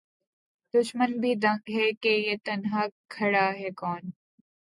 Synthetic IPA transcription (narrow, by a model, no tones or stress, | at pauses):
d̪ʊʃmənbʱid̪ʱɐ̃ŋɡɦɛkejet̪ɐnɦakʰːɐɽaːɦɛkɔːn